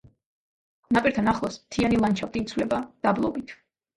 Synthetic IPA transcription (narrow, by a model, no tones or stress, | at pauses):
napʼiɾt̪ʰanaχlˠɔsmt̪ʰianilˠant͡ʃʰap̚t̪ʼiːt̪sʰwlɛbad̪̥ablˠɔ̰bit̪ʰ